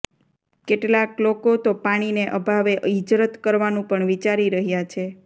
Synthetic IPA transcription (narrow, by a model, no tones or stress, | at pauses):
keʈlaklokot̪opaɽ̃ineʔəbʱaʋeʔid͡ʒɾət̪kəɾʋanũpəɳʋit͡ʃaɾiɾəɦjat͡ʃʰe